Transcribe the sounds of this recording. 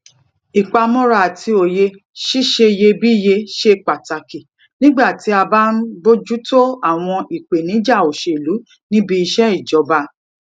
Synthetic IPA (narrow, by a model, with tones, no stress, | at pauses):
i˨k͡pa˧mɔ̃˦ɾa˧˨a˨tʰi˧o˨je˧ | ʃi˦ʃe˧je˧bi˦˨je˧ʃe˧k͡pa˨ta˨ki˨ | nĩ˦ɡ͡ba˦˨ti˨˦a˧ba˦n̩˦bo˦d͡ʒu˦to˦a˦˨w̃ɔ̃˧i˨k͡pe˨nĩ˨˦d͡ʒa˦˨o˨ʃe˨lu˨˦ | nĩ˦bi˧i˧ʃɛ˦i˦˨d͡ʒɔ˨˧ba˧